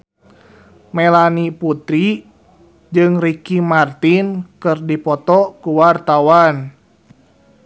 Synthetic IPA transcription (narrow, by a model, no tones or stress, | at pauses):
mɛlaniput̪ɾi | d͡ʒɨŋrikimart̪inkɨrdipɔt̪ɔkuwart̪awan